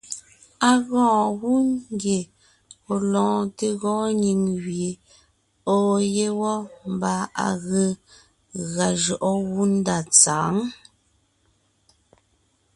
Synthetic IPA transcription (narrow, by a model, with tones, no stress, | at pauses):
a˨ɣɔ̃ː˦˨ɣu˦ŋ˦ɡje˨ | o˨lɔ̃ː˨te˦ɣɔ̃ː˦ɲi˨ŋɣje˨ | o˨je˦wɔ˦m˦ba˦a̰˨ɣə˦ | ɣa˨ʒɔ˨ʔɔ˦ɣu˦n˦da˨t͡sa̰ː˨˦ŋ